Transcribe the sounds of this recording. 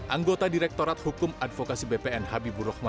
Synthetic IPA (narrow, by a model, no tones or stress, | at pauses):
ʔaŋɡot̪adiɾɛk̚t̪oɾat̪̚hukʊmadfokasibepeɛnhabibuɾɔhma